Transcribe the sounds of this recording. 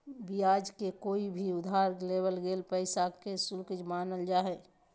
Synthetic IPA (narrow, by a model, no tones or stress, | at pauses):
bijad͡ʒkekoːibʱiʊd̪ʱɦaɾlebəlɡelpəɪsakesʊlkəd͡ʒmaːnəld͡ʒaːɦɛ